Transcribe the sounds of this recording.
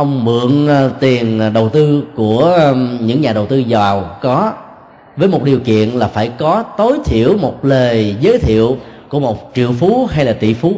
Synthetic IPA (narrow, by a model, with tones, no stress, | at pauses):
ʔə˧wŋ͡mmɨ̰˧˨ənt̪i˨˩ənɗə˨˩wt̪ɨ˧ku˧˩əɲɨ̰˧˥ŋɲaː˨˩ɗə˨˩wt̪ɨ˧zɔ˨˩wkɔ˨˦ | vəː˨˦jmo˨˩t̚ɗi˨˩əwkḭ˧˨ənlaː˨˩faː˧˩jkɔ˨˦t̪o˨˦jt̪ʰḭ˧˨əwmo˨˩t̚ləː˨˩zəː˨˦jt̪ʰḭ˧˨əwku˧˩əmo˨˩t̚t͡ɕḭ˧˨əwfu˨˦ɦa˧jlaː˨˩t̪ḭ˧˨fu˨˦